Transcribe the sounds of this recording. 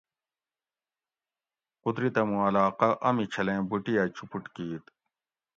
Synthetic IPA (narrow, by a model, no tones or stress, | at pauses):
qut̪ɾit̪ɐmũɐlaːqɐʔɐmit͡ɕʰɐlẽːbuʈijat͡ɕʰupuʈkiːt̪